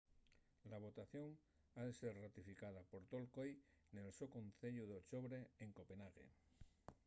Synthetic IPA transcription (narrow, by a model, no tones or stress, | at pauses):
laβ̞o̞t̪aθjo̞ŋ | aðe̞se̞ɾrat̪ifikað̞apo̞ɾt̪o̞lko̞jne̞lsokonθe̞ʎuð̞eot͡ʃo̞βɾe̞eŋko̞pe̞naɣe̞̰